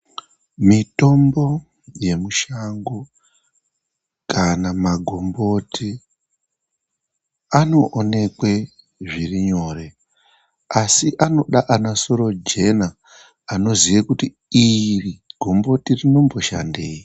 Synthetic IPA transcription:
mito̞mbo̞ | je̞muʃaŋɡo | kanamaɡʱo̞mbo̞tʰi | ano̞ʔːne̞kwe̞ | ʐiriɲo̞re̞ | asiʔano̞ɗaʔanaso̞ɾo̞d͡ʒe̞naː | no̞zijekuti | iriɡ̥ʱo̞mbo̞tirino̞mbo̞ʃa̰nde̞ːji

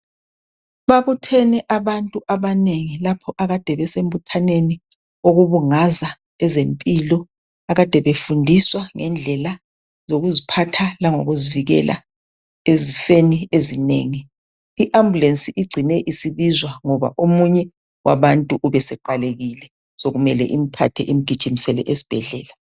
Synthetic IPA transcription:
βaβutʰɛnɛʔaβantʼuʔaβaneŋilapʰɔʔaɣad̥ʱɛβɛsembutʰaneni | oɣuβuŋaza | ɛzempʼilɔ | aɣad̥ʱɛβefundʱiswaŋɛ̰nd͡ɮʱɛla | zoɣuzipʰatʰalaŋo̰ɣuziviɣɛ̰lʔa̰ | ezifeniezineːŋi | iʔambʱulensiʔiɡ͡ǀʱinɛʔisiβizwaŋɔβa̰ʔomuɲɛ | wʔa̰βantʼuʔuβɛsɛǃaleɣilɛ | soɣumɛlɛ̰ʔim̩pʰa̰tʰɛʔim̩ɡ̥ʱid̥ʒ̥ʱimisɛlɛ̰ʔesi̥b̥ʱɛɮɛːla

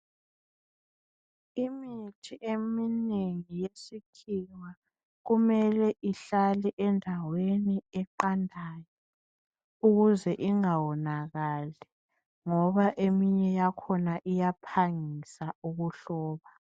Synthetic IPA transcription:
imitʰiʔemineŋijesikʰiwa | ɣumɛlɛʔiɬalɛʔɛndʱaweniɛǃandʱaːjɔ | uɣuzɛʔiŋawɔnaɣalɛ | ŋɔβaʔemiɲɛjakʰɔnaʔijapʰaŋisauɣuɬɔːβa

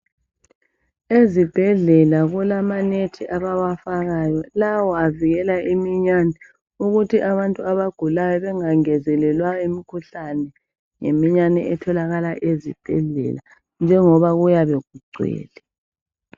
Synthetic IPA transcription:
ezib̥ʱɛɮɛlaɣulamanetʰiʔaβawafaɣajɔlawɔaviɣɛlaʔimiɲanɛ | uɣutʰiʔaβantʼuaβaɡ̥ʱulajɔβɛŋaŋɛzɛlɛlwaimikʰuɬanɛ | ŋḛmiɲanɛ̰ʔɛtʰɔlaɣalaʔezib̥ʱɛ̰ɮɛ̰la | nd͡ʒʱɛŋɔβaɣujaβeɣ̚ʱuɡ͡ǀʱɛ̰ːlɛ

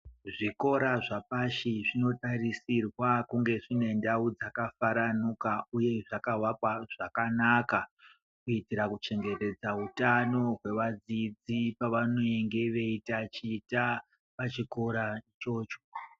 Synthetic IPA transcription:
ʐiko̞ɾaʐapaʃiʐino̞tarisirwakuŋɡe̞ʐine̞ndaud͡zakafaɾanukauje̞ʐakawapwaʐ̥akanaka | kuitiɾakut͡ʃe̞ŋɡe̞te̞d͡zautano̞ɦwe̞ʋad͡zid͡zipaʋano̞eŋɡe̞ʋe̞itat͡ʃiːta | pat͡ʃiko̞ɾat͡ʃo̞ːt͡ʃo̥

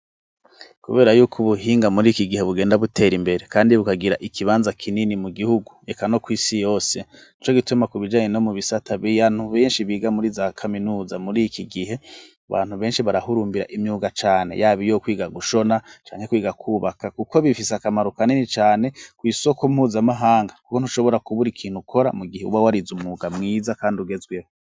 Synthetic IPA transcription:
kuβe̞ːɾajuːkʰuβuhiːŋɡamuɾikiɡihe̞βuɡe̞ːndaβutʰe̞ːɾimbe̞ɾekaːndiβukaɡiɾaʔikʰiβaːnzakʰininimuɡihuɡuekano̞kwiːsijo̞ːse̞nit͡ʃo̞ɡitumakuβid͡ʒaːɲe̞no̞muβisatʰaβijan̥huβe̞ːnʃiβiːɡamuɾizakʰaminuːzamuɾikiɡiɦe̞ | aβa̰ːn̥huβeːnʃiβaɾahuɾuːmbiɾa̰ʔimjuːɡat͡ʃaːne̞̰jaːβijokwiːɡaɡuʃo̞nat͡ʃa̰ːŋhekwiːɡakʰuβakakuko̞βifisakamaɾukaninit͡ʃaːne̞kwiːso̞komhuːzamaɦaːŋɡaku̥ko̞n̥uʃo̞βo̞ɾakuβuɾikʰiːn̥hukʰo̞ɾa̰muɡiheṵβawaɾizumuɡamŋiːzakaːndiuɡe̞zɡwew

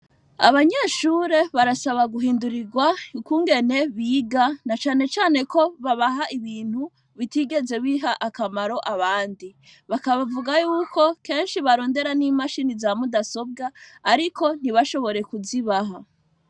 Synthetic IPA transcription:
a̰βaɲeʃuːɾe̞βaɾasaβaɡuɦiːnduɾiɡwaukuːŋɡe̞ne̞βiːɡanat͡ʃaːne̞t͡ʃaːne̞ko̞βaβaɦaʔiβiːn̥hu | βitiɡe̞ze̞βiɦaʔakamaɾo̞ʔaβaːndi | βakaβavuɡajuːko̞ke̞ːnʃiβaɾo̞ːnde̞ɾaniːmaʃiːnizamudaso̞b̚ɡaːɾiko̞n̥iβaʃo̞βo̞ɾe̞kuziβaɦa

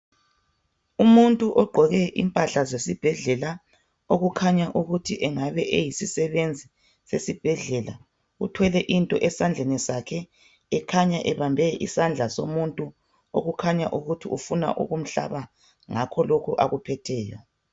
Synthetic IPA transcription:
umuntʼuʔɔɡ͡ǃʱɔɣɛʔḭmpʼaɬazesib̥ʱɛɮɛla | oɣukʰaɲaʔuɣutʰiʔɛŋaβɛʔejisisɛβend͡zʱi | sesib̥ʱɛɮɛla̰ | utʰwɛlɛʔintʼɔʔɛsand͡ɮʱenisakʰɛː | kʰaɲaʔɛβambʱɛʔḭsand͡ɮʱasomuntʼu | o̰ɣukʰaɲa̰ʔuɣutʰiufuna̰ʔṵɣum̩ɬa̰βa | ŋakʰɔlokʰuʔa̰ɣupʰɛtʰɛːjɔ̰

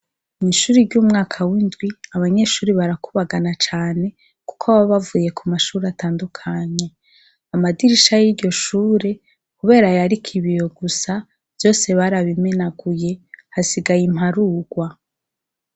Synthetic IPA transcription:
niʃuːɾiɾɟuːmŋaːkʰawindɡwiaβaɲe̞ʃuːɾiβaɾakuβaɡanat͡ʃaːne̞ | ku̥kʰaβaβavuːje̞kʰumaʃuːɾeataːndukʰaɲe̞ | amadiɾiʃajiɾɟo̞ʃuːɾe̞ | kuβe̞ːɾajaɾikʰiβijo̞ɡusa | v̥jo̞ːse̞βaɾaβimenaɡuje̞hasiɡajim̥haɾuːɡ̥wa

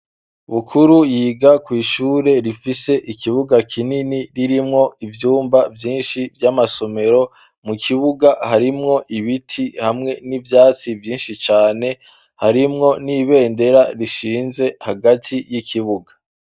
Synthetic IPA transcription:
βukʰuɾujiːɡakwiːʃuːɾe̞ɾifise̞ʔikʰiβuɡakʰininiɾiɾimŋo̞ivjuːmbavjiːnʃivjamaso̞me̞ɾo̞ | mukʰiβuɡahaɾimŋo̞ʔiβitʰihamŋe̞nivjaːt͡sivjiːnʃit͡ʃaːne̞ | haɾimŋo̞niβe̞ːnde̞ɾaɾiʃiːnze̞haɡatʰijikʰiβuɡa

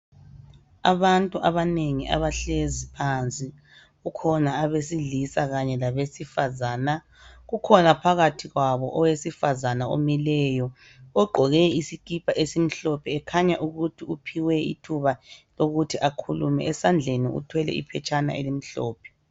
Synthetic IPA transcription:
a̰βantʼuʔaβaneŋiʔa̰βaɬezipʰant͡sʼi | ɣukʰɔnaːβesiɮisaɣaɲɛlaβesifazaːna | ɣukʰɔnapʰaɣatʰiɣwaβɔʔɔwesifazanao̰milɛjɔ | ɔɡ͡ǃʱɔɣɛisikʼipʰaʔesim̩ɬɔpʰɛɛkʰaɲaʔuɣutʰiupʰiwɛḭtʰuβaloɣutʰiʔakʰulṵmɛ̰ʔɛsand͡ɮʱenḭṵtʰwɛlɛ̰ḭpʰɛt͡ʃʼana̰ʔḛlim̩ɬɔ̰ːpʰɛ̥

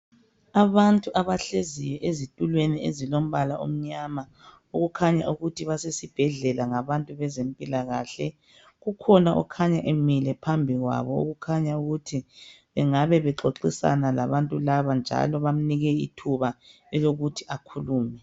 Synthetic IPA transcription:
aβantʼuʔaβaɬezijɛʔezitʼulweniḛzilom̩βalaʔo̰m̩ɲama | uɣukʰaɲaʔuɣutʰiβasesib̥ʱɛɮɛlaŋaβantʼuβɛzempʼilaɣaːɬɛ | ɣukʰɔnaʔɔ̰kʰaɲaʔemilɛpʰambʱiɣwa̰βɔṵɣukʰaɲauɣutʰi | βɛŋaβɛβɛǁoǁisa̰nalaβantʼulaβand͡ʒʱa̰lɔβam̩niɣɛḭtʰuβa | ɛloɣutʰiakʰuluːmɛ

